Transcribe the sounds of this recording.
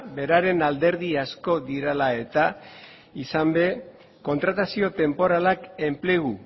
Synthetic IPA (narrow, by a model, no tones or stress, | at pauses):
be̞ɾaɾe̞nald̪e̞ɾðiasko̞ðiɾalae̞t̪a | isambe̞ | ko̞nt̪ɾat̪asio̞t̪e̞mpo̞ɾalake̞mple̞ɣu